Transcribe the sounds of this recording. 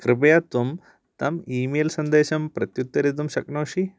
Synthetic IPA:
kɾɨp̬ɐjat̪ʋɐm | t̪ɐmiːmeːlsɐnd̪eːʃɐmpɾɐt̪jut̪ːɐɾet̪̬ɐmʃɐknɐwʃi

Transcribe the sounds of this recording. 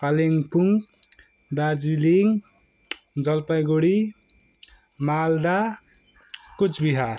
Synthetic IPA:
kaleŋpuŋ | d̪ad͡ziliŋ | d͡zʌlpajɡoɽi | mald̪a | kut͡sbiɦa

